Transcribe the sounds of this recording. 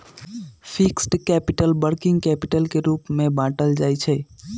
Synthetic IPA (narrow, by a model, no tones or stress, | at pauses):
pʰiksʈkɛpiʈəlbəɾkiŋɡkɛpiʈəlkeɾupmebãʈəld͡ʒajt͡ʃʰɛ